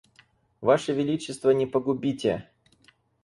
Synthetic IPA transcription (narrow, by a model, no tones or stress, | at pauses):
vaʂɨvʲɪlʲit͡ɕːɪst̪vənʲɪpəɡʊbʲitʲɪ